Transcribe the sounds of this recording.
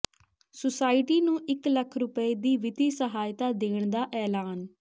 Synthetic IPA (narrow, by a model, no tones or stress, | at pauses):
sʊsaːɪʈiːnũːʔɪkləkʰɾʊpəiːd̪iːʋɪt̪iːsəɦaːjt̪aːd̪eːɳd̪aːʔɛːlaːn